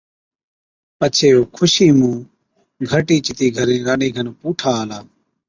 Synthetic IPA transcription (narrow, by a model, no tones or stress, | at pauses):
pət͡ʃʰeːoːkʰʊʃiːmũː | ɡʱəʈiːt͡ʃɪt̪iːɡʱəɾẽːɾaːniːɡʱənpuːʈʰaːlaː